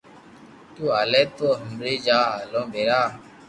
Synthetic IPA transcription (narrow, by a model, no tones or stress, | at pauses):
t̪uːaːleːt̪oːɦəmɾiːd͡ʒaːaːlõːbeːɾaː